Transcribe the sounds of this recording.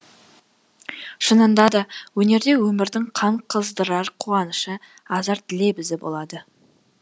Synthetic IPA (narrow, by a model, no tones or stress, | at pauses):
ʃənənd̪ɑd̪ɑwɵne̞ɾd̪e̞wɵmɪɾd̪ɪŋqʰɑɴqʰəzd̪əɾɑɾqʰuɑnəʃə | ɑzɑɾt̪ʰɪle̞bɪzd̪ɪbo̞̰lˠɑd̪ə